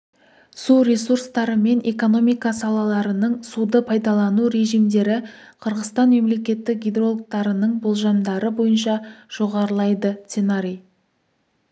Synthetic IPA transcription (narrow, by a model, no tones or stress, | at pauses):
suɾe̞surst̪ɑɾəme̞ne̞ko̞no̞mijkɑsɑlˠɑlˠɑɾənəɴsud̪əpʰɑjd̪ɑlˠɑnuɾe̞ʒijmd̪e̞ɾɪqʰəɾʁəst̪ɑnme̞mle̞kʲe̞t̪ːɪk̚ɡʲid̪ro̞lˠk̚t̪ɑɾənəɴbo̞lˠʒɑmd̪ɑɾəbo̞jənʃɑʒ̥o̞ʁɑɾəlˠɑjd̪ət̪senaɾʲij